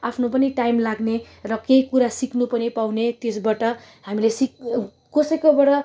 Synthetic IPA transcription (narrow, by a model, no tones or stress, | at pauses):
apʰnopʌniʈajmlaɡne | rʌkejkuɾasiknupʌnipawnet̪esbaʈʌ | ɦamilesik̚ | kosʌjkobʌʈʌ